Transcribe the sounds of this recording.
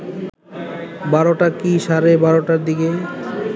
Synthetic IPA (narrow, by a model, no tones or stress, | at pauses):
baɾoʈakiʃaɾebaɾoʈaɾd̪ike